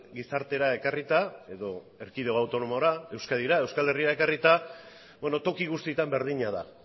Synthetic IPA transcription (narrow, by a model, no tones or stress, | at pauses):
ɡisaɾt̪e̞ɾae̞karit̪ae̞ðo̞ | e̞ɾkiðe̞oawt̪o̞no̞mo̞ɾae̞wskaðiɾae̞wskale̞riae̞karit̪a | beno̞t̪o̞kiɣ̞ust̪iet̪ambe̞ɾð̞iɲaða